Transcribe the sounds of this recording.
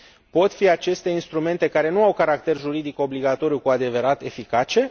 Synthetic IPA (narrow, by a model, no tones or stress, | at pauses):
po̞t̪fiat͡ʃe̞st̪e̞inst̪ɾume̞nt̪e̞kaɾe̞nuawkaɾakt̪e̞rʒuɾid̪iko̞bliɡat̪o̞ɾijukuad̪e̞ve̞ɾat̪e̞fikat͡ʃe̞